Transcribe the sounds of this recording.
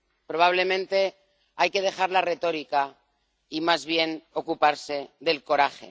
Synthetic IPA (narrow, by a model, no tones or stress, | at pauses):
pɾo̞β̞aβ̞le̞mẽ̞nt̪e̞ | ajke̞ð̞e̞xaɾlare̞t̪o̞ɾika | imazβje̞no̞kupaɾse̞ðe̞lko̞ɾaxe̞̰